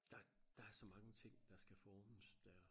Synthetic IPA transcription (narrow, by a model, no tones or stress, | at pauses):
d̥ɑ̈d̥ɑ̈æɐsɒ̽mɑ̈ŋət͡sʰe̝ŋ̰d̥ɑ̈sɡ̥æfɒːnəsd̥æɐ